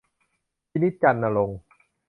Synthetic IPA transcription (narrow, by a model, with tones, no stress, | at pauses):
pʰi˦˥ni˦˥t̪̚t͡ɕa˧nːa˧lo˧ŋ